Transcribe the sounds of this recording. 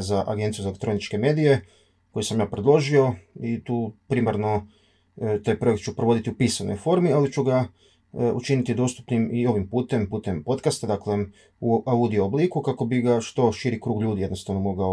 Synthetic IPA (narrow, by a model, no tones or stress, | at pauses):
zaʔa̰ɡe̞nt̪sijuzaelekt̪ɾo̞nit͡ʃke̞me̞ːd̪ije̞ | kojisamjaːpɾed̪lˠo̞ʒio̞it̪uːpɾimaɾno̞ | t̪aːjpɾo̞ekt̪t͡ʃupɾoʋo̞d̪it̪iupiːsanojfo̞ɾmialit͡ʃuɡa | ṵt͡ʃinit̪id̪o̞ːst̪upnimio̞ʋimpuːt̪e̞mpuːt̪e̞mpo̞t̪kast̪ad̪akle | uaud̪iooblˠikukako̞biɡaʃt̪o̞ʃiɾikɾuːɡʎuːd̪ije̞d̪no̞st̪aʋno̞mo̞ɡao